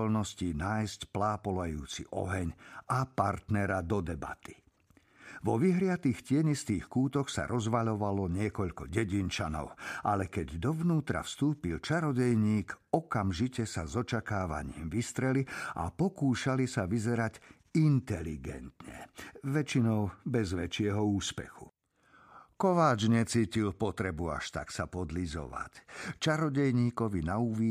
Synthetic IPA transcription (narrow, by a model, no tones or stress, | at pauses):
ɔlnɔscinaːjscplaːpɔlajṵːt͡sḭʔɔ̰ɦɛɲapaɾt̪nɛɾad̪ɔd̪ɛba̰t̪i̥ | ʋɔʋiɦɾɪat̪iːxcɪɛɲist̪iːxkuːt̪ɔxsa̰ɾʔɔzʋaʎɔʋalɔɲɪɛkɔʎkɔɟɛɟint͡ʃanɔ̰ʊʔalɛkɛɟd̪ɔʋnuːt̪ɾa̰fst̪uːpilt͡ʃaɾɔɟɛjɲiːkɔkamʒicɛsazɔt͡ʃakaːʋa̰ɲɪimʋist̪ɾɛliʔa̰pɔkuːʃalisaʋizɛɾaɟ | int̪ɛlḭɡɛ̰nt̪ɲɛ̰ʋɛt͡ʃinɔʊbɛzʋɛt͡ʃɪɛɦɔuːspɛ̰xu̥̰ | kɔʋaːd͡ʒɲɛt͡siːcilpɔt̪ɾɛbua̰ʃt̪a̰ksapɔd̪lizɔ̰ʋa̰ct͡ʃaɾɔɟɛjɲiːkɔʋinauʋi